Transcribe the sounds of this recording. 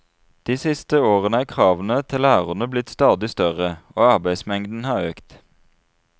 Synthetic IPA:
d̪̥iːsɪst̪əoːʁənəæːkʰʁɑːʋənət̪ʰɪlæːʁənəblɪt̪st̪ɑːd̪ɪst̪œʁəoːɑʁbæɪsmɛŋd̪n̩hɑːʁøːkt̪

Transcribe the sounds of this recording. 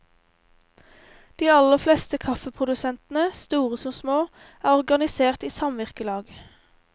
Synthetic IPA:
d̪̥iːɑləfleːst̪əkʰɑfəpʰʁʊd̪ʉsɛnt̪n̩əst̪uːʁəsɔmsmoː | æːʁɔʁɡɑnɪseːʁt̪iːsɑmʋɪʁkəlɑːɡ

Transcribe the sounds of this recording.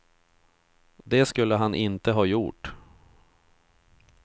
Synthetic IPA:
d̪ɛskɵlːəɦanʔɪnt̪əɦɑːjṵːʈ

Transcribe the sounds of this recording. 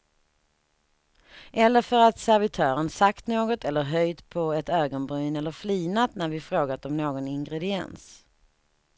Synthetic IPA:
ʔɛlːəɾfœɾat̪sæɾvɪt̪ʰœːɾənsakt̪noːɡɔt̪ʰɛlːəɾɦœjd̪pʰɔɛt̪øːɡɔnbɾyːnɛlːəɾfliːnat̪næɾvɪfɾoːɡat̪ɔmnoːɡɔnɪŋɡɾɛd̪ɪɛ̰ns

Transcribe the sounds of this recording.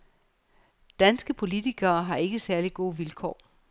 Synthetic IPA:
d̥ænsɡ̥əpʰo̝lit͡sʰiɡ̥ɐːɦɑ̈e̝ɡ̥əsæɐliɡ̥o̝ːəʋilkʰɒ̰ː

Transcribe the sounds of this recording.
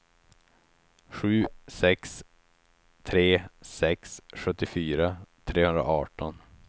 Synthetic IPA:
ɧʉ̟ːsɛks | t̪ʰɾeːsɛksɧɵt̪ːɪfyːɾat̪ʰɾeːhɵnd̪ɾa̰ʔɑːʈɔn

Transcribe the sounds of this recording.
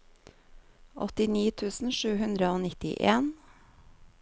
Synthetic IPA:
ʔɔt̪ɪniːt̪ʰʉːsn̩ʃʉːhʉnd̪ɾəoːnɪt̪ɪ̰ʔeːn

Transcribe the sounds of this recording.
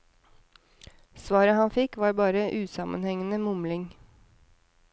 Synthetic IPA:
sʋɑːɾəhɑnfɪkʋɑːɾbɑːɾəʔʉːsɑmʔə̰nhɛŋənəmʊmlɪŋ

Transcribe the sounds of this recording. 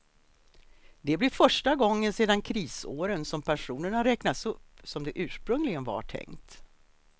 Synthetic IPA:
d̪ɛblɪɾfœʂʈaɡɔŋːənseːd̪ankʰɾiːso̰ːɾənsɔmpʰæʂuːnəɳaɾɛknat̪sɵpːsɔmd̪ɛʔʉ̟ːʂpɾɵŋlɪɡənva̰ʈʰɛ̰ŋt̪

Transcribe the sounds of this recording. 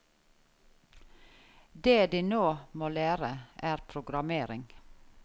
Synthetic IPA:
d̪eːd̪iːnoːmoːlæːɾəʔæːɾpʰɾʊɡɾɑmeːɾɪŋ

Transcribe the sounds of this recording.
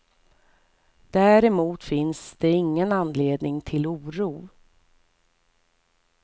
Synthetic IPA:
d̪̥æːɾɛmuːt̪fɪnsd̪̥ɛɪŋːənanleːd̪nɪŋt̪ʰɪluːɾuː

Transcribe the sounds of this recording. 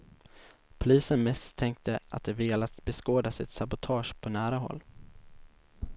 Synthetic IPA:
pʰʊliːsənmɛst̪ʰːɛŋk̚t̪əa̰t̪̚d̪ɛveːlat̪bɛskoːd̪asɪ̰t̪sabʊt̪ʰɑːʂpʰɔnæːɾaɦɔ̰lː

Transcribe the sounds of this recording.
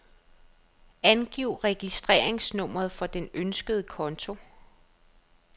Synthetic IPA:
ænɡ̥iʊ̰ʁɛɡ̥isd̥ʁḛɐ̰e̝ŋsnɔ̽m̰ɐð̞̩ˠfɒ̽d̥enønsɡ̥əð̞̩ˠəkʰɒ̽nt͡sʰo̝

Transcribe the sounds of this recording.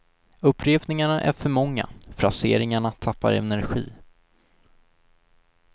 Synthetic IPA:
ɵpːɾeːpnɪŋaɳaʔæɾfœɾmɔŋːa̰fɾasḛːɾɪŋaɳat̪ʰapːa̰ɾɛ̰næɾɧḭː

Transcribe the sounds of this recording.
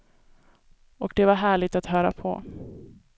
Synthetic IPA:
ɔk̚d̪ɛvaɾɦæːɭɪt̪at̪hœːɾa̰pʰɔ̰

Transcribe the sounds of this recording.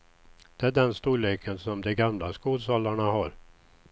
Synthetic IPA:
d̪̥ɛæɖɛnst̪uːɭeːkʰənsɔmd̪ɛɡamlaskuːd̪sɔlːaɳaɦaɾ

